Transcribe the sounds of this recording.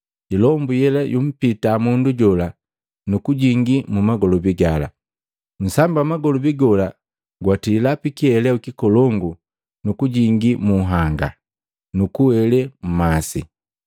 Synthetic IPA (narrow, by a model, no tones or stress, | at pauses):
ilɔmbujɛlajum̩pitamunduɟɔla | nukuɟiŋɡimumaɡɔlɔbiɡala̰ | n̩sambamaɡɔlɔbiɡɔla | ɡwatilapikiɛlɛukikɔlɔŋɡu | nukuɟiŋɡimuɦaŋɡa̰ | nukuwɛlɛm̩masḭ